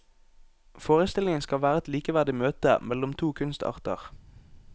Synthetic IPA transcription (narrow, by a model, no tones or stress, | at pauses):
foːʁəst̪ɪlɪŋənskɑʋæːʁəɛt̪liːkəʋæʁd̪ɪmøːt̪ə̰mɛlɔmt̪ʰuːkʰʉnst̪ʰɑ̰ːʁt̪ə̰ʁ